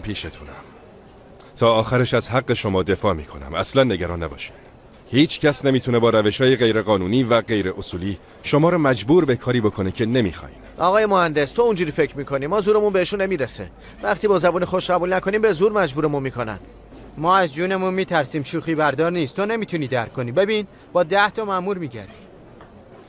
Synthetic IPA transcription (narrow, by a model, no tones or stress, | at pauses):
pʰiːʃet̪ʰunæm | t̪ʰɒːxæɾeʃæzɦæɢːe̞ʃomɒːd̪e̞fɒːmiːkʰo̞næ̰mæslænːe̞ɟæɾɒːnːæbɒ̰ːʃi̥ | hiːt͡ʃʰcʰæsnemiːt̪ʰune̞bɒːɾæve̞ʃhɒːjeɣe̞jɾe̞ɣɒːnuːniːvæɢe̞jɾe̞ʔosuːliː | ʃo̞mɒːɾɒːmæd͡ʒbuːɾbe̞kʰɒːɾiːbo̞kʰo̞necʰe̞ne̞miːxɒ̰ːjiːnʔɒːɣɒːje̞mohænd̪e̞st̪ʰound͡ʒuːɾiːfecʰɾmiːkʰo̞niːmɒːzuːɾe̞munbe̞eʃunːe̞miːɾesḛ | væχt̪iːbɒːzæbuːnexoʃɢæbuːlnækʰo̞niːmbe̞zuːɾmæd͡ʒbuːɾe̞munmiːkʰonæ̰n | mɒːæzd͡ʒuːne̞munmiːt̪ʰæɾsiːmʃuːxiːbæɾd̪ɒːɾniːst̪t̪one̞miːt̪ʰuniːd̪æɾkʰːo̞niːbe̞biːn | b̥ɒːd̪æht̪ʰɒmæmuːɾmiːɟæ̰ɾd̪i